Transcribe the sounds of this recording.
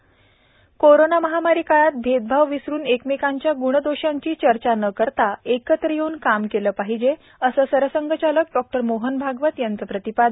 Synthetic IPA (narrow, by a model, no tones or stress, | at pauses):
koɾonaməɦamaɾikaɭat̪̚bʱed̪̚bʱaʋʋisɾuːnekmekaɲt͡ɕjaɡuɽ̃əd̪oɕãɲt͡ɕiːt͡ɕəɾt͡ɕanəkəɾt̪aekət̪ɾəjeuːnkamkeləːpaɦid͡ʑe | əsəːsəɾəsəŋɡʱət͡ɕalək̚ɖɔk̚ʈəɾmoɦənbʱaɡʋət̪jant͡səːpɾət̪ipad̪